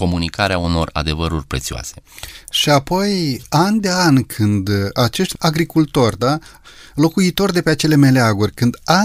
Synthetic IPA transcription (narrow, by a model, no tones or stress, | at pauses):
ko̞munikaɾeauno̞ra̰d̪e̞vəɾurʲpɾet̪sioa̰se̞̥ʃiapo̞janʲd̪e̞anʲkʰɨnd̪at͡ʃe̞ʃt̪ʲaɡɾikult̪o̞rʲd̪alo̞kuit̪o̞rd̪e̞peat͡ʃe̞le̞me̞leaɡurʲkɨnd̪a